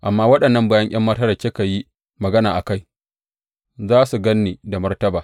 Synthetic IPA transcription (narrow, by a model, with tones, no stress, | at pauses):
ʔa˨mːaː˦wɐ˦ɗɐ˨nːɐ˦mbaː˦jɐ˦ɲʔɐ˦mːɐ˦tɐ˦ɾɐ˨kʲeː˦ka˨ji˦ | mɐ˨ɡɐ˦naː˨ʔa˨ka˦j | zaː˦su˨ɡɐ˦nːiː˨da˨mɐ˦rtɐ˦baː˨